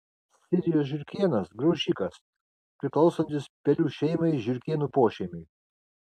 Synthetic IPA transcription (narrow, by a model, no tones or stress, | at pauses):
sʲɪɾʲɪjoːsʒʲɪɾʲkʲeɛnɐsɡɾɐʊʃʲiːkɐs | pʲɾʲɪklˠɐʊsɔnʲt̪ʲɪspʲɛlʲuːʃʲɛɪmɐɪʒʲɪɾʲkʲeɛnuˑpoːʃʲɛɪmʲɛɪ